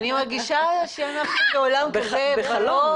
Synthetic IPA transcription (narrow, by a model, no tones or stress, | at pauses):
nimaʁɡiʃaʃeanaχnokeolamboeχalo